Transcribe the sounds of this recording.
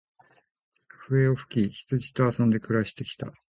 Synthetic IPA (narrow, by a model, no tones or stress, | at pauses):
ɸɯ̟e̞oɸɯ̟̥kʲiçi̥t͡sɨʑi̥t̪o̞asõ̞nd̪e̞kɯ̟ɾaɕi̥t̪e̞kʲi̥t̪a̰